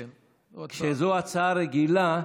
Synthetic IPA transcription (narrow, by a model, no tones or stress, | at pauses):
kʃezoat͡saːɾeɡila